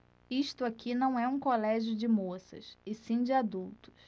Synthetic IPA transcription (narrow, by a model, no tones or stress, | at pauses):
iʃt̪ʊakʰinɐ̃w̃ɛũkolɛʒjʊd͡ʒɪmosɐ̰sɪsĩd͡ʒɪad̪uwt̪ʊ̥s